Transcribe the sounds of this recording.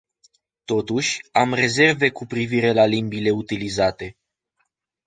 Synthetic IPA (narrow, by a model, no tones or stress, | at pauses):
t̪o̞t̪uʃʲamre̞ze̞rve̞kupɾiviɾe̞lalimbile̞ut̪ilizat̪e̞